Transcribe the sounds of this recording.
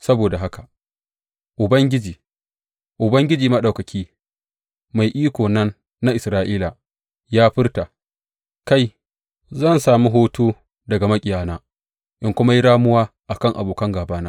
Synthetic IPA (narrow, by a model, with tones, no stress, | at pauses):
sɐ˦boː˨da˨ɦa˦ka˨ | ʔʊ˨bɐ˦ŋɡʲɪ˦d͡ʒiː˨ | ʔʊ˨bɐ˦ŋɡʲɪ˦d͡ʒiː˨mɐ˦ɗa˨kɐ˨kʲʰiː˦ | ma˨jʔiː˦kʷoː˨nɐ˦nː | a˦ʔɪ˨sɾaː˦ʔiː˦la˨ | jaː˦ɸɪ˦rta˨ | ka˦j | zɐ˦˨nsaː˨mi˦ɦoː˦toː˦ | dɐ˨ɡa˨mɐ˦kʲʼɪ˨jaː˨naː˦ | ʔɪ˦ŋkʷʊ˦ma˦ji˦ɽaː˦mʊ˦waː˦ʔa˨kɐ˦ŋʔa̰˨boː˨kɐ˦ŋɡaː˨baː˦naː˦